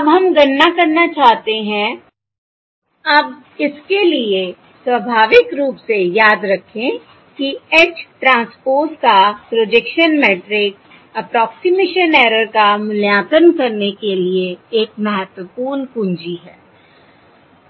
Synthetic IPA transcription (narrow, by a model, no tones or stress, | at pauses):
ɐbɦɐmɡɐnːakɐɾnat͡ʃaːɦt̪eɦɛ̃ | ɐːb | ɪskelie | sʋəbʱaːʋɪkɾuːpsejaːd̪ɾɐkʰẽ | kiɛt͡ʃʈɾãːspoːɾskapɾod͡ʒekʃənmeːʈɾɪk̚ | ɐpɾɔːksɪmeːʃənɛːɾəɾkamʊljaːt̪ənkɐɾnekelieeːk̚mɐɦət̪wəpuːɾnkʊ̃nd͡ʒiɦɛː